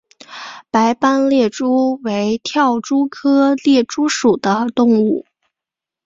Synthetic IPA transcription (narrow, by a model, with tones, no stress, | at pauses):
pa˧˥ɪpa˥nljɛ˥˩ʈ͡ʂu˥we˧˥ɪt̪ʰjɑ˥˩ʊʈ͡ʂu˥kʰɤ˥ljɛ˥˩ʈ͡ʂu˥ʂu˨˩d̪ə˦t̪ʊ˥˧ŋu˥˩